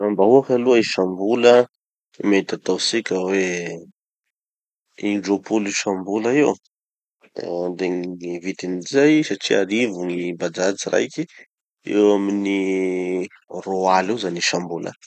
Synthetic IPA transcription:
ambaɦuafaluaiʃambulə | met̪at̪awsikʲəwe | iɳɖ͡ʐopuliʃambulaiw | d̪eŋivit̪inizajsaʈ͡ʂiaɾivuŋibad͡zad͡ziɾʔa̰jki | ḛwamini | roaliwzaniʃambulʔə̰

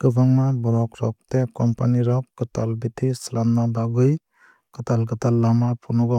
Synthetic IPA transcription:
kɯbʱaŋmabɔɾɔkɾɔk̚tekɔmpaniɾɔkɡɯtalbitʰislamnabaɡɯj | kɯtalɡɯtalːamapʰunɔɡɔ

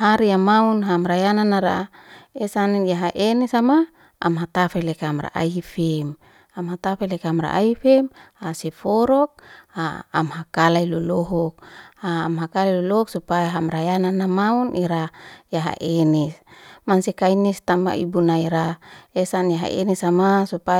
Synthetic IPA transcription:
ɦaɾiamaunɦamɾajananaɾa̰esanjaɦaʔenɛsama | a̰mɦat̪afelekamra̰ʔa̰iifɛm | amhat̪afelekamɾa̰ʔaifɛmhasefɔɾɔk̚a̰ːmhakalailolɔɦɔk̚aːmɦakalalolɔɦɔksupajaɦamɾajananːamaunʔiɾajaɦa̰ʔenɛsmansekainist̪ama̰ʔḭbunaiɾaesanjaɦa̰ʔḛnɛsamasupa

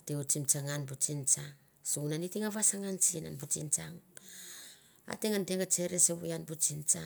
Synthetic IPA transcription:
teut͡ʃimt͡ʃaŋanbut͡ʃint͡ʃaŋ | sunanitiŋaβasaŋant͡ʃina̰nbut͡ʃḭnt͡ʃaŋ | a̰teŋanteŋat͡ʃe̞ɾeseβujanbut͡ʃint͡ʃa

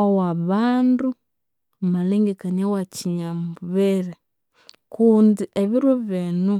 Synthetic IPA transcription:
owaβaːndu | maleːŋɡekanawaciɲamuβeɾe | kuːndiʔeβiɾoβenu

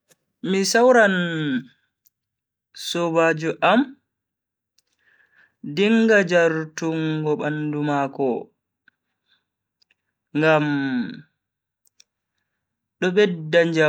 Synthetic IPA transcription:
misawɾan | sɔbad͡ʒuʔam | diŋɡad͡ʒaɾtuŋɡɔɓandumaːkɔ | ŋɡam | ɗɔɓɛdːaɲd͡ʒa

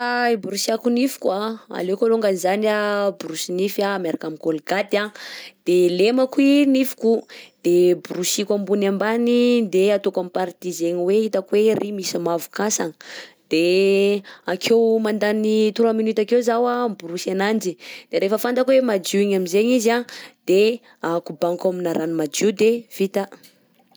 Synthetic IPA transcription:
aibuɾusiakunifi̥kwaa̰lekoluŋɡanzaniabuɾusinifamaɾakamikolɡat̪ad̪̥elemakuinifi̥kud̪̥ebuɾusikambunambanid̪eat̪okamipaɾt̪izeɲiweit̪akwerʔimisamavu̥kasanə | d̪̥e | akʰewmand̪anit̪uɾaminut̪akewzawabuɾusanand͡ʒid̪̥eɾefəfand̪akwemad͡ʒuiɲamizeɲizad̪̥e | akubaŋkaminaɾʔanimad͡ʒud̪ev̥it̪a

